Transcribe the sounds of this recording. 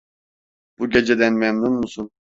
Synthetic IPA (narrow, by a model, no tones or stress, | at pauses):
b̥uɟe̞d͡ʒed̪ænmɛmnunmusun